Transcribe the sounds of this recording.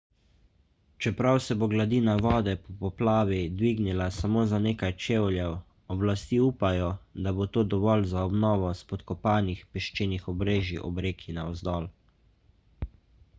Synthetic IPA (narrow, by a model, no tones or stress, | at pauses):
t͡ʃɛpɾawsɛboɡlad̪iːnaʋɔːd̪ɛpɔpɔplaːʋid̪ʋiːɡnilasamoːzaneːkajt͡ʃeːwljɛw | ɔblast̪iuːpajɔd̪abot̪oːd̪ɔʋɔlzaɔbnɔːʋɔspɔt̪kɔpaːnixpɛʃt͡ʃeːnixɔbɾeːʒḭʔɔ̰bɾeːkʰinaɔzd̪ɔːl